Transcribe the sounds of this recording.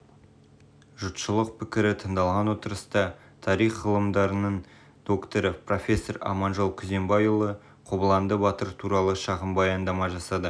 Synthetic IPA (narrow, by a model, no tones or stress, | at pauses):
ʒʊt̪ʃəlˠəq̚pʰɪkʲɪɾɪt̪ʰəɴd̪ɑlˠʁɑnwo̞t̪əɾəst̪ɑ | t̪ʰɑɾijχːəlˠəmd̪ɑɾənəɴ | d̪̥o̞kt̪oɾəpro̞fʲe̞sːoɾɑ̰mɑnʒolˠkʲʰʏze̞mbɑjulˠə | qʰobəlˠɑnd̪əbɑt̪əɾt̪ʰuɾɑlˠəʃɑʁəmbɑjɑnd̪ɑmɑʒɑsɑd̪ə